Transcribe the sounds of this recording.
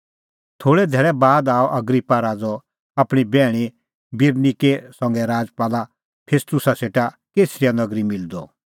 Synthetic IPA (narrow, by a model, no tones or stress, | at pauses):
t̪ʰoːɽɛd̪ʱɛːɭɛbaːd̪aːɔʔɐɡɾipːaɾaːd͡zɔ | apɽ̃ibɛːɽ̃i | bɪɾnikesɔ̃ŋɡɛɾaːd͡zpaːla | pʰeːst̪ʊsaseːʈa | keːsɾijanɐɡɾimɪld̪ɔ